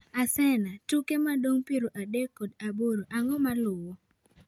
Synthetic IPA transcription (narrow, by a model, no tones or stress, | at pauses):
asɛnatukemadoŋpiɾoʔadekːodaboɾoʔaŋɔmalʊwo